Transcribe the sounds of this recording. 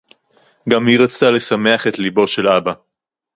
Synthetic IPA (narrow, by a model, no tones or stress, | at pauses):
ɡamhiʁat͡st̪ale̞same̞aχetlibo̞ʃe̞laba